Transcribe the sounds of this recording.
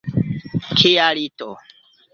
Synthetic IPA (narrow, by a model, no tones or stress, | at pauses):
kʰijalito